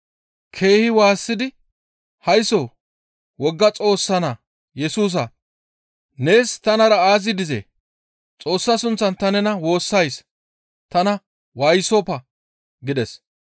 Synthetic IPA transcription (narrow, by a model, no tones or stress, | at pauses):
kʰe̞ːhɪwaːsːɪd̪ɪ | hɐjso | wɔɡːɐt͡sʼo̞ːsːɐnɐ | jɛsuːs̬ɐ | ne̞ːst̪ɐnɐɾɐaːzɪd̪ɪzḛː | t͡sʼo̞ːsːɐsʊnt͡sːɐnt̪ɐnɛnɐwo̞ːsːɐjs | t̪ɐnɐ | wajsopɐ | ɡɪd̪ɛs